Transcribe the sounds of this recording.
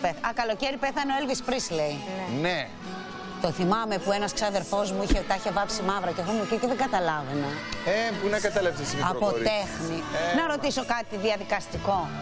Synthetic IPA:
peɐkɐlo̞ceɾipe̞θɐneoelvispɾisleine | t̪o̞θimɐme̞puenɐsksɐðe̞ɾfo̞zmuiçet̪ɐiçe̞vɐpsimɐvɾɐceexomuciceðeɡɐt̪ɐlɐveneepunɐkɐt̪ɐlɐpsesimɐpot̪exninɐɾo̞t̪iso̞kɐt̪iðiɐðikɐst̪iko̞

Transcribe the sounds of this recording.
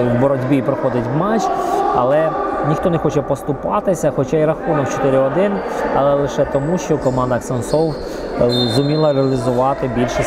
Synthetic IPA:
wbɔɾɔdʲbʲipɾɔxɔd̪ɪtʲwmat͡ʃɐlˠɛnʲixt̪ɔnɛxɔt͡ʃɛpɔst̪ʊpɑt̪ɪsʲɐxɔt͡ʃaiɾɐxunɔkt͡ʃɔ̥t̪ɪɾʲɪɔd̪ɪnɐlˠɛlˠɪʃɛt̪ɔmuʃt͡ʃɔkɔmɑnd̪ɐksɐnsɔw | zʊmʲilˠɐɾeɐlʲɪzʊʋɑt̪ɪbʲilʲʃɛ

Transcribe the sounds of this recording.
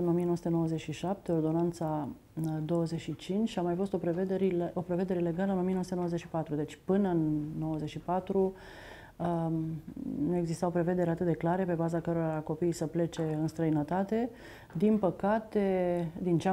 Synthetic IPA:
ɨno̞mijenoəsut̪no̞wəzet͡ʃʲʃiʃap̚t̪e̞o̞rd̪o̞nant̪sa | d̪o̞wəzeʃit͡ʃint͡ʃʲamajfo̞st̪opeved̪ɾopɾe̞ve̞d̪e̞ɾe̞le̞ɡaləɨno̞mijenosut̪enowəzet͡ʃʃipat̪ɾud̪e̞t͡ʃʲpɨnəɨnːo̞wəzet͡ʃʃipat̪ɾu | nue̞ɡzist̪awopɾe̞ve̞d̪e̞ɾeat̪ɨt̪̚d̪e̞klaɾe̞pe̞bazakəɾoɾako̞pijsəple̞t͡ʃe̞ɨnst̪ɾəjinət̪at̪e̞ | d̪inpəkat̪ed̪int͡ʃa

